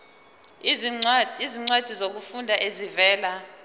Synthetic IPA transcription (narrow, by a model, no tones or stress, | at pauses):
iziŋ͡ǀad̥ʱizok̬ufundʱaʔezivɛːla